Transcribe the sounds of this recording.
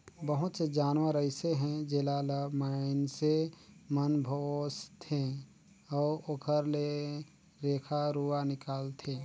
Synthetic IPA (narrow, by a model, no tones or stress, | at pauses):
bəɦʊt̪sed͡ʒaːnʋaɾəɪseɦɛ̃d͡ʒeːlaləmaːɪnsemənbʱoːst̪ʰẽ | ɔːɾokʰəɾle | ɾeːkʰaɾuːanɪkaːlt̪ʰeː